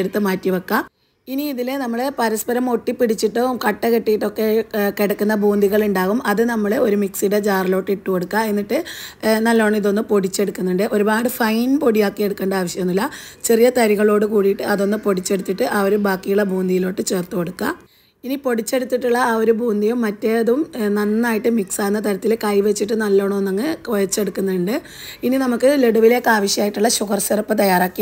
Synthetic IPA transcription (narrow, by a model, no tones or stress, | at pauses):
eɽut̪ːɨmaːtːiʋɐkːa | iniːðilenɐmːɐɭepɐɾɐspɐɾɐmo̞ʈːipːiɽit͡ɕːiʈːokɐʈːɐkeʈːijiʈːo̞kːe̞keɽɐkːunːɐbʱuːnd̪iɣɐɭuɳɖaːɣumɐðɨnɐmːɐɭeo̞ɾumiksiɾe̞d͡ʑaːrɐlo̞ːʈːiʈːuko̞ɽukːae̞nːiʈːɨnɐlːoːɳːiðo̞nːɨpo̞ɽit͡ɕːe̞ɽukːunːuɳɖɨʔo̞ɾubaːɽɨfɐjnpo̞ɽijaːkːie̞ɽukːeːɳɖɐaːʋɐɕjɐmenːilːɐ | t͡ɕe̞rijɐt̪ɐɾiɣɐɭo̞ːɽɨkuːɽijiʈːɨɐðo̞nːɨpo̞ɽit͡ɕːe̞ɽut̪ːiʈːɨʔɐoɾubʱaːkːijuɭebʱuːnd̪ijilo̞ːʈːɨt͡ɕe̞ːrt̪ːuko̞ɽukːa | inipo̞ɽit͡ɕːe̞ɽut̪ːiʈːuɭːɐoɾubʱuːnd̪ijumːɐtːe̞ɐðumnɐnːaːjiʈːɨmiksaːnːɐt̪ɐɾɐt̪ːilkɐjʋe̞t͡ɕːiʈ̬ːɨnɐlːo̞ːɳɐmonːɐŋːɨkojɐt͡ɕːe̞ɽukːunːɐɳɖɨ | ininɐmukːɨle̞ɽuʋile̞ːkːaːʋɐɕjɐmaːjiʈːuɭːɐɕuɣɐrsɐrɐpːɨt̪ɐjaːraːkːi